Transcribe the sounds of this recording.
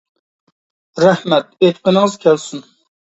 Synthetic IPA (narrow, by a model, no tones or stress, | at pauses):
ɾæhmɛt̪̚et̪qənəŋəzkʲʰɛlsun